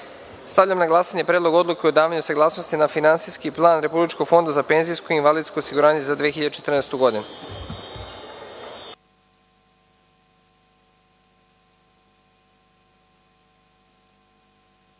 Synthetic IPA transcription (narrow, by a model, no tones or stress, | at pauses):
st̪avʎʲamnaɡlˠasaɲe̞pɾeːd̪lˠo̞ɡo̞d̪lukeod̪aːʋaɲusaɡlaːsno̞st̪inafinant̪siskiplˠaːnɾe̞publit͡ʃkoɡfo̞nd̪azapenzijskoiinʋalid̪sko̞osiɡuɾaːɲe̞zad̪ʋiexiʎad̪et͡ʃe̞t̪rneːst̪uɡo̞d̪inu